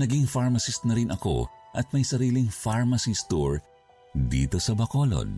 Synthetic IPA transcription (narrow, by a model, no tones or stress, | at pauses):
nɐɡiŋfaɹmɐsɪsnɐɾɪnʔɐko̞̰ʔɐt̪̚mɐjsɐɾiːlɪŋfaɹmɐsist̪uɹ | d̪ḭːt̪o̞sɐbɐkolo̰n